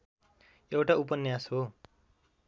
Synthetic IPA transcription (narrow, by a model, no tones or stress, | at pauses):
ewʈaup̬ʌnjasɦo